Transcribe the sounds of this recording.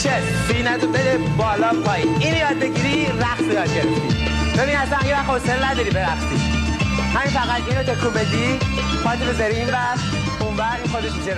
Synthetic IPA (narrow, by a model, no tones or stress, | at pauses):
ʃe | binæd̪obed̪ebɒːlɒːpʰɒːiiːnojɒːd̪̚beɟiːɾiːɾæxsejɒːd̪̚ɟeɾefd̪ḭ | bebiniæsænjeæχoselnæd̪ɒɾiːbeɾæxsḭ̥ | hæminfæɣæd̪iːnɾot̪ʰekʰubed̪i | pɒːt̪ʰibezaɾiiːnvæs | unvæɣiːnxod̪et̪id͡ʒe